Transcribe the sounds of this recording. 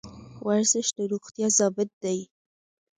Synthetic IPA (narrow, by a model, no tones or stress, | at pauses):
wʔaɾzɪʃd̪əɾuɣt̪jɑzɑbɪt̪̚d̪aj